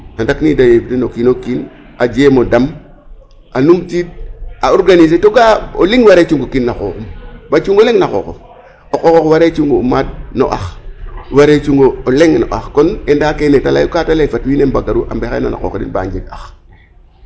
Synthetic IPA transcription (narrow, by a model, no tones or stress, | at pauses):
nandaknidajebtinokinokin | ad͡ʒemodam | ʔanumtid̚aoɾɡanis̬etoɡaoliŋwaɾet͡ʃuŋɡokinːako̰kumbat͡ʃuŋɡoleŋnako̰ːko̰ | okokokwaɾet͡ʃuŋɡoumad̚no̰ʔa̰xwaɾet͡ʃuŋɡooleŋno̰ʔa̰xkonendakenetala̰jukatalefatwiːnembaɡaɾuʔa̰mbexḛna̰na̰ko̰ːkdḭnba̰ɲd͡ʒiɡax